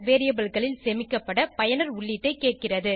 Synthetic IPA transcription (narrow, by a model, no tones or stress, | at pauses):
ʋeːɾɪjɐbɐlɣɐɭɪlsɛmɪkːɐpːɐɽɐpɐjɐnɐɾʊɭːɪʈːɐɪkːeːʈ̚kɪrɐðɯ